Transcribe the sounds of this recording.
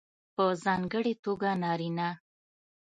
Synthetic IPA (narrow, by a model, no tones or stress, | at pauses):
pəzɑŋɡəɽet̪oɡanɑɾina